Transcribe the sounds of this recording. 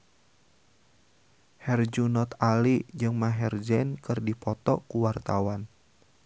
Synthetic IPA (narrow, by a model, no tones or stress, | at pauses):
hɛrd͡ʒunɔt̪alid͡ʒɨŋmaɦɛrd͡ʒɛnkɨrdipɔt̪ɔkuwart̪awan